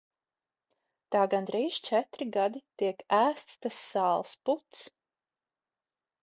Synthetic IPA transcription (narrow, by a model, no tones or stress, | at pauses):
t̪aːɡand̪ɾiːʒ̥t͡ʃɛt̪ɾiɡad̪it̪iɛkæːst̪st̪asːaːlˠsput̪s